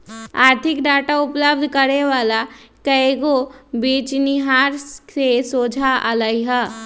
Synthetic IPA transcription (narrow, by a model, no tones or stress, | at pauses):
aːɾt̪ʰɪkɖaːʈaʊpləb̚d̪ʱkəɾeʋaːlakəeɡobiːt͡ʃnɪɦaːɾesoːd͡ʒʱaʔə̰ləiɦə